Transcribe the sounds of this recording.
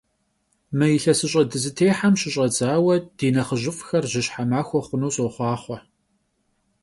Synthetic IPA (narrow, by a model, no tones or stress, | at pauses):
mɐjɪɬɐsɨɕʼɐdɨzɨtʰeːħamɕɪɕʼɐd͡zaːwɐd̥iːnɐχəʑɪfʼxɐrʑɪɕħamaːxʷɔχʷʊnuwɕʼoχʷɑːχʷɔ